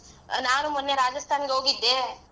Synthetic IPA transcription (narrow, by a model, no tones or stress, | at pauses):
naːnumɐnːeɾaːd͡ʒɐst̪ʰaːnɡeoːɡid̪ːeː